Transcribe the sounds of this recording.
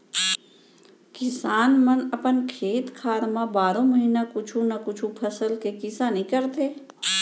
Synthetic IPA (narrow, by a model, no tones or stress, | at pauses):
kɪsaːnmənəpənkʰeːt̪kʰaːɾmãbaːɾõməɦinakʊt͡ʃʰũnakʊt͡ʃʰũpʰɐsəlkekɪsanĩkəɾt̪ʰeː